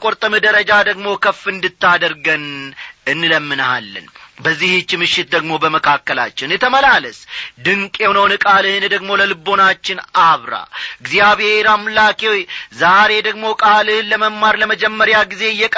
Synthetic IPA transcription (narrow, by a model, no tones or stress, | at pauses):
kʼoɾt̪ʼəmɨd̪əɾəd͡ʒad̪əɡmo̞kʰəfːɨnd̪ɨt̪ːad̪əɾɡənɨnːɨləmːɨnha̰lːɨ̰nbəzːihɨt͡ʃːmɨʃːɪt̪̚d̪əɡmo̞bəməkʰakːəla̰t͡ʃːɛwnjɛt̪ʰəməlaləsd̪ɨŋkʼewnəwnɨkʼalɨhɨnd̪əɡmo̞ləlɨbo̞nat͡ʃːɪnaβɾa̰ɨɡzijaβheɾamlakʰewojzaɾe̞d̪əɡmo̞kʼalɨhɨnləməmmːaɾləməd͡ʒɛmːəɾjaɡize̞ɨjːɛkʼ